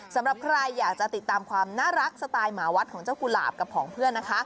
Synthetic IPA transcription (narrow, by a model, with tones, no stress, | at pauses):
sa˨˩˦mɾa˨˩p̚kʰɾa˧jːaː˨˩k̚t͡ɕa˨˩t̪i˨˩t̪ːaː˧mkʰwaː˧mnaː˥˩ɾa˦˥k̚sa˧t̪aː˧jmaː˩˦wa˦t̪̚kʰɔː˩˦ŋt͡ɕa˥˩ku˧la̰ː˨˩p̚ka˨˩pʰːɔː˩˦ŋpʰɯ˥˩ənːa˦˥kʰa˦˥